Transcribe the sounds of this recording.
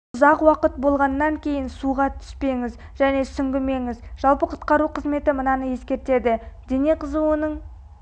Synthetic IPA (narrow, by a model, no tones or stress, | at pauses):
ʊzɑqwɑqət̪̚bo̞lˠʁɑnːɑŋkʲʰe̞jɪnsuʁɑt̪ʰʏ̥spe̞ŋɪz | ʒæne̞sʏŋɡʲɪme̞ŋɪzʒ̥ɑlˠpəqʰʊ̥t̪qɑɾuqʰəzme̞t̪ɪmənɑnəje̞skʲe̞ɾt̪e̞d̪ɪd̪e̞neqʰəzuwənəɴ